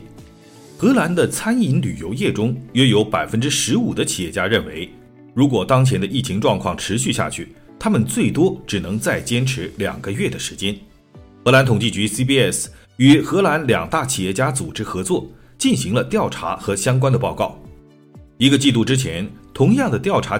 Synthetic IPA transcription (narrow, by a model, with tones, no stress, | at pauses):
xɤ˧˥la˧˥nd̪ə˧t͡sʰa˥ni˧˥nly̰˨˩jo˧˥ʊjɛ˥˩ʈ͡ʂʊ˥ŋjɛ˥jo˧˥ʊpa˨˩ɪfə˥nʈ͡ʂɻ̩˥ʂɻ̩˧˥u˨˩d̪ə˦t͡ɕʰi˨˩jɛ˥˩t͡ɕja˥ɻə˥˩nwe˧˥ɪ | ɻu˧˥k̬wɔ˨˩t̪ɑ˥ŋt͡ɕʰjɛ˧˥nd̪ə˧ʔi˥˩t͡ɕʰi˧˥ŋʈ͡ʂwɑ˥˧ŋkʰwɑ˥˩ŋʈ͡ʂʰɻ̩˧˥ɕy˥˧ɕja̰˥˧˩t͡ɕʰy˥˩ | t̪ʰa˥mə˨nt͡swe˥˩ɪt̪wɔ˥ʈ͡ʂɻ̩˨˩nɤ˧˥ŋt͡sa˥˩ɪt͡ɕjɛ˥nʈ͡ʂʰɻ̩˧˥ljɑ̰˨˩ŋɡə˦ɥɛ˥˩d̪ə˩ʂɻ̩˧˥t͡ɕjɛ˥n | xɤ˧˥la˧˥nt̪ʰʊ˨˩ŋt͡ɕi˥˩t͡ɕy˧˥si˥pi˥ɛ˥˩s | y˨˩xɤ˧˥la˧˥nljɑ˨˩ŋt̪a˥˩t͡ɕʰi˨˩jɛ˥˩t͡ɕja˥t͡su˨˩ʈ͡ʂɻ̩˥xɤ˧˥t͡swɔ˥˩ | t͡ɕi˥˩nɕi˧˥ŋlə˧t̪jɑ˥˩ʊʈ͡ʂʰa̰˧˥xɤ˧˥ɕjɑ˥ŋk̬wa˥nd̪ə˨pɑ˥˧ʊkɑ˥˩ʊ | i˧˥ɡə˧t͡ɕi˥˧lu˥˩ʈ͡ʂɻ̩˥t͡ɕʰjɛ˧˥nt̪ʰʊ˧˥ŋjɑ˥˩ŋd̪ə˩t̪jɑ˥˩ʊʈ͡ʂʰa˧˥